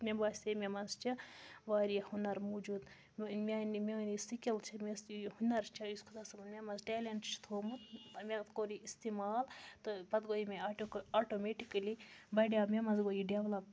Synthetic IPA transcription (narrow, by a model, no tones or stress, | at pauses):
mʲebaːsʲemʲemɐnzt͡ʃʰɐʋaːɾihunɐɾmud͡ʒuːd̪ | mʲenimenisikʲɐlt͡ʃʰɐmeshunɐɾt͡ʃʰɐjuskʰuzɐsɐmnmʲemɐzʈeːleɳʈt͡ʃʰi̥t̪ʰoːmut̪mekoːɾiist̪imaːlt̪ɨpɐt̪ɡoːimeoaːʈomeʈikɐlibɐɖamemɐnzɡoːjiɖeʋlɐp̚